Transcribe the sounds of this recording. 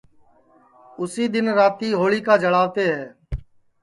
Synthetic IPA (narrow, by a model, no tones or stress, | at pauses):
ʊsiːd̪ɪnɾaːt̪iːɦoːɭiːkaːd͡ʒəɽaːʋt̪eːɦɛː